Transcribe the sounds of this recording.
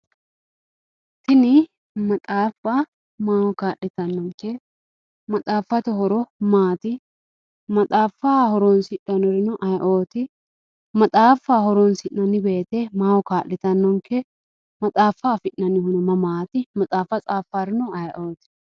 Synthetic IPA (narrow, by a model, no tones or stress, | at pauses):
t̪ɪnɪ | mɐt̪ʼaːfːa | maːhɔkaːʔlɪt̪ɐnːɔŋkɛ | mɐt̪ʼaːfːɐt̪ɛhɔɾɔmaːt̪ɪ | mɐt̪ʼaːfːaːhɔɾɔːnsɪʔːɐnɔɾɪnɔʔɐjʔoːt̪ɪ | mɐt̪ʼaːfːaːhɔɾɔnsɪʔnɐnɪbe̞ːt̪ɛmaːhɔkaːʔlɪt̪ɐnːɔŋkɛ | mɐt̪ʼaːfːaːfɪʔnɐnɪhʊnɔmɐmaːt̪ɪmɐt̪ʼaːfːɐt͡sʼaːfːaːɾɪnɔɐjʔoːt̪ɪ̥